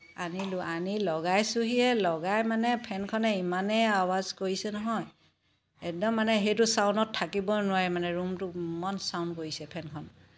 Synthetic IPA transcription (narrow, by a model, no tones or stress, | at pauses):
aniluanilɔɡajsuɦiɛlɔɡajmanɛpʰɛnkʰɔnɛimanɛawazkoɹisɛnɔɦɔj | ɛk̚dɔmːanɛɦejtʊsawndɔtʰːakibɔnʊajmanɛɹumtʊmɔnsawnkoɹisɛpʰɛnkʰɔn